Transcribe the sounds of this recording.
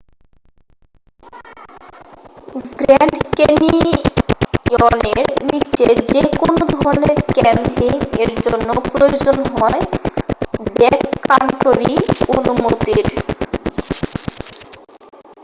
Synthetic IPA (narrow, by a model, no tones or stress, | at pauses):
ɡɾɛɳɖkeni | oneɾnit͡ɕed͡ʑekonod̪oɔɾneɾkɛmpiŋeɾd͡ʑonːopɾojod͡ʑonɦɔe | bɛkːaɳʈoɾionumot̪iɾ